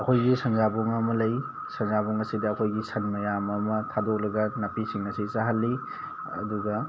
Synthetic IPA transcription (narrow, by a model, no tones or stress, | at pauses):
ɐkʰojɡisɐŋzabuŋɐmɐlɐj | sɐŋzabuŋɐsidɐːkʰojɡisʰɐnmɐjamɐmɐtʰadok̚lɐɡɐnɐpisiŋɐsisaɦɐlːi | ɐ̰duɡɐ